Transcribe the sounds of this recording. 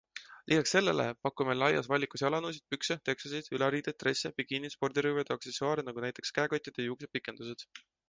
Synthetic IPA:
lʔiːɡɑksːe̞lːe̞̰lḛpɑkːˑumelɑjɑ̰svɑlʲːikusiɑlɑnuːs̬id̪̥̚pykset̪e̞ksosid̪̥ylɑɾiːd̪̥et̪ːˑre̞sːepiɡinispo̞rd̪̥iɾuːved̪eɑkse̞soɑːɾenɑɡunæjt̪ːˑe̞kskæeɡɑt̪ʲːˑid̪̥ejuːks̬e̥pikˑːe̞nd̪̥used̪̥

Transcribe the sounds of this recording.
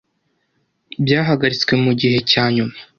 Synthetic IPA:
bjaːɦaɡaɾit͡swe̞muɟihe̞caːɲumḁ

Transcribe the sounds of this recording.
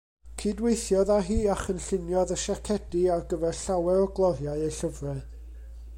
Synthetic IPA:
kʰiːdwejθjɔðaɦiːaχənɬɪnjɔðəʃakʰɛdiarɡəvɛrɬawɛɾɔɡlˠɔðjaɨejɬəvrɛ

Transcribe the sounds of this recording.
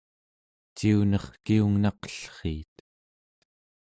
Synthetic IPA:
t͡ʃiunʌχkiuŋnɑqʌ̥ɬχḭːt̪

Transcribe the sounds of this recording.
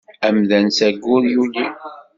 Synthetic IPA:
æmðænsæɡːʊɾjuli

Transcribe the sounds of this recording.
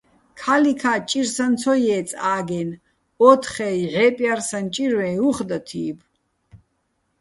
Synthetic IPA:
kʰalikʰat͡ʃʼiɾsant͡sʰɔjɛːt͡sʼaːɡɛn | ɔt̪ʰχɛjʕɛpʼjarsant͡ʃʼiɾwɛuχd̪at̪ʰiːb

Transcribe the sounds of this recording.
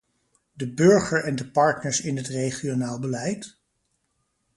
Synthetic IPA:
dəbɵɹχəɹɛndəpɑɹtnəɹsɪnɦətrejχionaːlˠbəlɛjt

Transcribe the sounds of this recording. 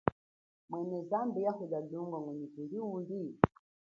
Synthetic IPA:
mwɛnɛzambijahuɗaduŋɡɔŋwɛɲɛkuliudi

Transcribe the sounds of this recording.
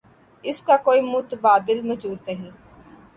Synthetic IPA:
ɪskaːkoːiːmʊt̪baːd̪ɪlməd͡ʒuːt̪əɦiː

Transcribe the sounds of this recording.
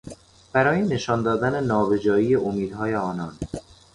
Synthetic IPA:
b̥æɾɒːjene̞ʃɒnd̪ɒːd̪ænenɒːbed͡ʒɒːijeʔomiːd̪hɒːjeɒːnɒːn

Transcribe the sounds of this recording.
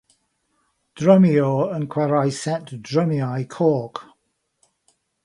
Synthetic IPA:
d̥ɹəmioə̃nkʰw̥ɛɹaɪsɛtdɹəmiaɪkʰɔːˑk

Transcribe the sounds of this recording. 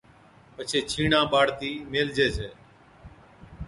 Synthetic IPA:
pət͡ʃʰeːt͡ʃʰiːɳãːɓaːɽt̪iːmeːld͡ʒeːt͡ʃeː

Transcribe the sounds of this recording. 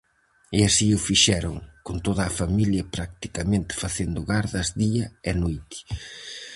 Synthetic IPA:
iasiʊfiʃɛɾoŋkont̪oðɐːfamiljɐpɾak̚t̪i̥kɐmẽnt̪ɪ̥faθend̪ʊɣaɾðɐzðiɐɛnojt̪ɪ̥

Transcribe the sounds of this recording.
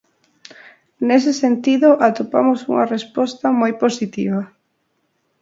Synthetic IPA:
nesɪsent̪iðʊʔat̪opa̰mʊsṵŋɐrespɔst̪ɐmojposit̪ḭβɐ

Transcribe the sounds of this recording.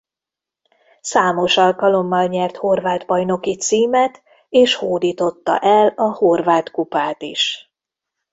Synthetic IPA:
saːmo̞ʃɒlkɒlo̞mːɒlɲɛrt̪ho̞rvaːd̪bɒjno̞kit̪siːmɛt̪ | eːʃhoːd̪iːt̪o̞t̪ːɒ̰ʔɛlɒho̞rvaːt̪kupaːt̪iʃ

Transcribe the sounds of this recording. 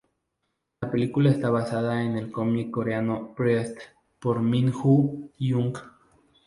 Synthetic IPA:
lape̞likulaest̪aβasað̞aene̞lko̞mikːo̞ɾeanopɾest̪ | poɾminxujuŋk

